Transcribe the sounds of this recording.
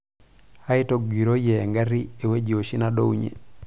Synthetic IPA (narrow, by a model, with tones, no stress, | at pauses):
ha˦i˦toɡi˨ɾojɛ˨ŋɡa˦ɾi˦e˨we˦d͡ʒo˨ʃi˦naɗo˦uɲḛ˨